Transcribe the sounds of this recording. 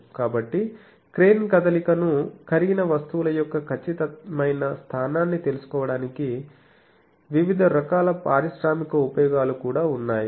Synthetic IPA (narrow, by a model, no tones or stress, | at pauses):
kaːbɐʈːi | kɾeːnkɐd̪ɐlikɐnukʰɐɾiɡinɐʋɐst̪uʋulɐjɔkːɐkʰɐt͡ʃːit̪ɐmɐjnɐst̪ʰaːnaːnːit̪e̞lusu̥kɔːʋɐɽaːniki | ʋiʋid̪ʱɐɾɐkaːlɐpaːɾiʃɾaːmikɐupɐjɔːɡaːlukuːɽaːunːaːji